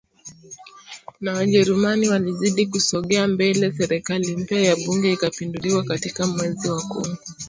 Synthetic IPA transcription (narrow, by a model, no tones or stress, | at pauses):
nawaʄɛɾumaniwaliziɗikusɔɠɛambɛlɛsɛɾɛkalim̩pajaɓuŋɡɛikapinduliwakatikamwɛziwakṵ